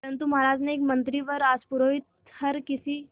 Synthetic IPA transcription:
əɾənt̪umaɾaːd͡ʒneekmənt̪ɾiʋəɾaːspuɾoit̪ | həɾkɪsi

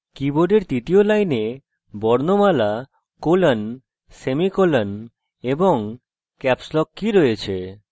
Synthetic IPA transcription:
kiboɖeɾt̪it̪iolajne | bɔɾnomala | kolan | semikolan | eboŋ | kɛpslɔkːiɾɔet͡ɕʰe

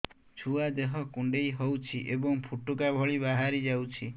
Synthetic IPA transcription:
t͡ʃʰuad̪eɦɔkuɳɖejɦowt͡ʃʰiʔebɔŋpʰuʈukabʱɔɭibaɦaɾid͡ʒawt͡ʃʰi

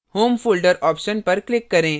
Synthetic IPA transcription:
hoːmfulɖəɾɔːpʃənpɐɾklɪkːɐɾẽː

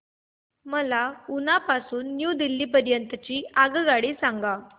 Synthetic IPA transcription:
məlaunapasuːnːjud̪ilːiːpəɾjənt̪ət͡ɕiːaɡɡaɽiːsaŋɡa

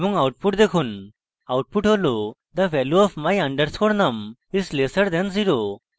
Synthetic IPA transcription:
mũŋauʈ̚puʈ̚d̪ekʰuːn | auʈ̚puʈɦolod̪aʋɛljuɔfmajə̃ɳɖəɾskoɽnɐmislesəɾd̪ẽnd͡ziɾo

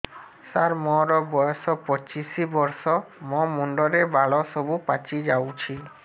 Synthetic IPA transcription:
saɾmɔɾɔbɔjɔsɔpɔt͡ʃisibɔɾsɔmɔmuɳɖɔɾebʱaɭɔsɔbupat͡ʃid͡ʒawt͡ʃʰilɔ

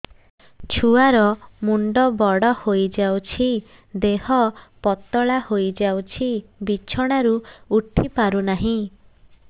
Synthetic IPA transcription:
t͡ʃʰuaɾɔmuɳɖɔbɔɽɔhojd͡ʒawt͡ʃʰi | d̪eɦɔpɔt̪ɔɭahojd͡ʒawt͡ʃʰibit͡ʃʰɔɽ̃aɾuːʈʰipaɾunaɦĩ

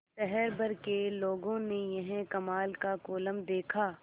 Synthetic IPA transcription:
ʃɛɦɛɾbɐɾkeloːɡõnejɐɦɛ̃kɐmaːlkakoːləmd̪eːkʰaː

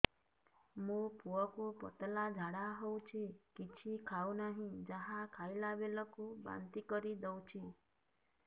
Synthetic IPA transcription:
mũpuəkupɔt̪lad͡ʒʱaɽaɦɔw̃t͡ʃʰikit͡ʃʰikʰaunaɦĩd͡ʒəɦãkʰailaʋeləkũba̰nt̪ikəɾid̪əwt͡ʃʰi

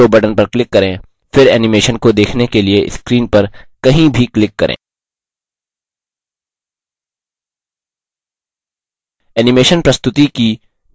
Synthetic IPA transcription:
obɐɖənpɐɾklɪkːɐɾẽː | fɪɾɛːnɪmeːʃənkod̪eːkʰnekelieʔɪ̰skɾiːnpɐɾkɐɦĩbʱiklɪkːɐɾʔḛ̃ː | ɛːnɪmeːʃənpɾɐst̪ʊt̪iki

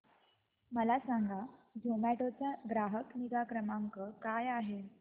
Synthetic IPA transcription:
məlasaŋɡʱad͡ʑʱomæʈot͡ɕjaɡɾaɦəkniɡakɾəmaŋkəkajaɦe

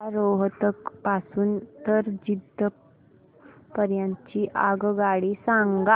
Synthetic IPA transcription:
ɾoɦt̪əkpasuːnt̪əɾd͡ʑid̪ə | pəɾjãɲt͡ɕiʔaɡɡaɭiːsãŋɡa

